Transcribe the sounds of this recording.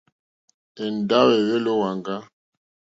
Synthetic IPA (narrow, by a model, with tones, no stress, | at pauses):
e˨n˨da˦wɛ˨ɣe˦lo˦wa˨ŋɡa˦